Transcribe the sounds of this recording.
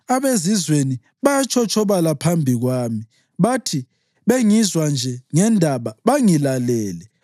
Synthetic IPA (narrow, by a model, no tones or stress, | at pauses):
aβezizweni | βajat͡ʃʰʼɔt͡ʃʰʼɔβalapʰambʱiɣwaːmi | βatʰi | βeŋizwand͡ʒʱɛŋɛndʱaβaβaŋilalɛːlɛ